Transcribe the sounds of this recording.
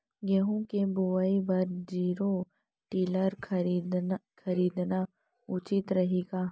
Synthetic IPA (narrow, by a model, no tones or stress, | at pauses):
ɡɛɦõkeboʋaibɐɾd͡ʒiːɾo | ʈiːləɾd̪kʰɐɾiːd̪na | ʊt͡ʃɪt̪ɾɐɦeːɡaː